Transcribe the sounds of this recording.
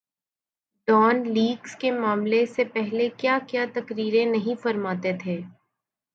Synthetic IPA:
ɖɔːnliːɡskemaːmlesepɛɦlekjaːkjaːt̪ɐkɾiːɾẽnɐɦĩfɐɾmaːt̪et̪ʰeː

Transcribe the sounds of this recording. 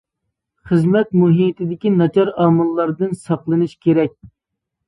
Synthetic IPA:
χəzmɛt̪muɦit̪ʰɪd̪ɪkʲinɑt͡ʃʰɑɾɑːmɨlˠːɑɾd̪ɨnsɑqlˠɨnɨʃkʲʰeɾɛk̚ʲ

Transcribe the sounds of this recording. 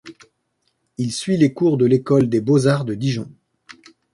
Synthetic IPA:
ilsɥilekuʁd̪əlekɔld̪ebozaʁd̪əd̪iʒɔ̃

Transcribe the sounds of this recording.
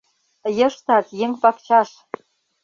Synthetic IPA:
jɤ̆ʃt̪ɑt̪jeŋpɑkt͡ɕɑʃ

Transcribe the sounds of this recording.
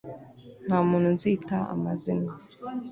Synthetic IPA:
n̥amununzitaa̰mazina

